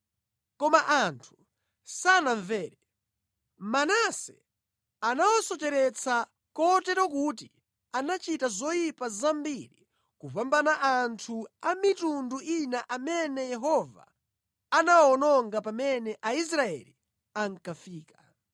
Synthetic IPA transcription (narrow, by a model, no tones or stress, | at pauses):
kɔmaʔantʰu̥ | sanaɱvɛːɾɛ | manasɛ | anawɔsɔt͡ʃɛɾɛt͡sʰa | kɔtɛɾɔkuti | anat͡ʃitazɔjipazambiɾi | kuvambanaʔantʰuamitunduʔinaʔamɛnɛjɛɦɔva̰ː | nawɔnɔŋɡapamɛnɛʔais̬ɾaɛ̰li | aŋ̩kafiːka